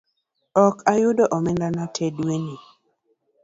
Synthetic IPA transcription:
ɔkʰajʊdɔʔɔmɛndanatʰedweni

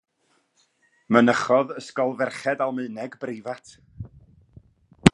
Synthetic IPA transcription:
mənəχɔðəskɔlˠvɛrχɛdalˠmɨɨnɛɡbrɪvatʰ

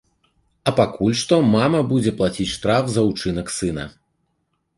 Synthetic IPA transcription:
ɐpakulʲʂt̪ɔmamɐbud͡zʲɛplˠat͡sʲit͡sʲʂt̪ɾafzɐut͡ʂɨnɐksɨnɐ̰

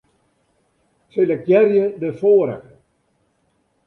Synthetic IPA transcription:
seləkjɛrjədəfoːɾə̰x

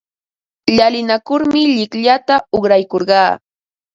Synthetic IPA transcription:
ʎalɪnakʊɾmɪʎɪkʎat̪aoχɾajkoɾɢɑː

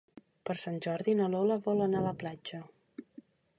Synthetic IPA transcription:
pəɾsanʲʒɔɾðinəlɔləβɔlənaləplad͡ʒə

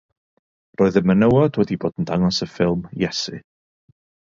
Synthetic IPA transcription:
roːɨðəmənəwɔdwɛdiboːdəndaŋɔsəfɪlˠmjɛsɨ

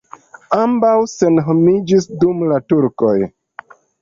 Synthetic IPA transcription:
ambawse̞nɦomid͡ʒisdumlatuɾko̞j

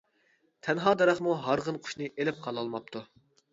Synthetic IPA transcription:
t̪ʰɛnɦɑːd̪ɑɾɑχmuɦɑɾʁənqʰʊ̥ʃnɨʔelɪp̚qʰɑlˠɑlˠmɑp̚t̪ʰu

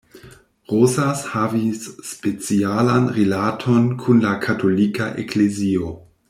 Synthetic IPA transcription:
ʁosashavisːpet͡sialanɾilatʰonkʰunlakʰatʰolikaʔḛklezio

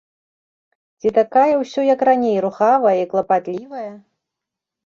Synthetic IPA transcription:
t͡sʲit̪akajɐwsʲɔjɐkranʲejɾuxavɐjɐiklˠɐpat̪lʲivɐjɐ

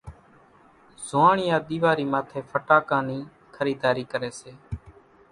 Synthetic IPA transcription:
z̥oaːɳɪjãːɗ̪iːʋaːɾiːmaːt̪ʰeːpʰəʈaːkãːniː | kʰəɾiːd̪aːɾiːkəɾeːseː

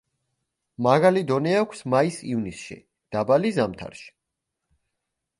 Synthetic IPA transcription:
maɣalid̪ɔnɛakʷʰsmaisivnisʃḭ | d̪̥abalizamt̪ʰa̰ɾʃi̥

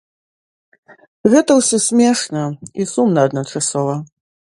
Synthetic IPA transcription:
ɣɛt̪ɐwsʲɔsʲmʲɛʂnɐisumnɐːd̪nɐt͡ʂasɔvɐ

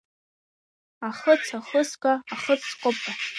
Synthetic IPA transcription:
aχət͡sʰaχəskʷʼaːχət͡sʰqʷʼʊpʼa

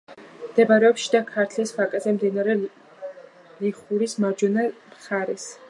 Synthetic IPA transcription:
md̪ɛbaɾɛɔpʃid̪akʰaɾt̪ʰlispʰakʼɛzɛmd̪inaɾɛ | liχuɾismaɾd͡ʒɔnamχaɾɛs

